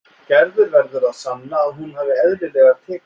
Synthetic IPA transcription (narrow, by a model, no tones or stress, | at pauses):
cɛɾðʏɾvɛɾðʏɾaðsannaːðɦunɦaːvɪɛðɾɪlɛːɣaðt̪ʰɛːk